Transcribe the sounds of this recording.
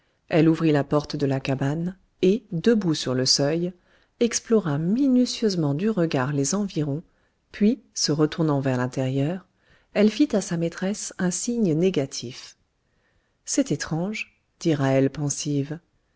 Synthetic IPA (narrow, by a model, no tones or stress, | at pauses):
ɛluvʁilapɔʁt̪d̪əlakaban | ed̪əbusyʁləsœj | ɛksplɔʁaminysjøzmɑ̃d̪yʁəɡaʁlezɑ̃viʁɔ̃ | pɥisəʁət̪uʁnɑ̃vɛʁlɛ̃t̪ɛʁjœːʁ | ɛlfit̪asamet̪χɛsɛ̃siɲneɡat̪ʰif | sɛt̪et̪χɑ̃ʒ | d̪̥iʁaɛlpɑ̃siv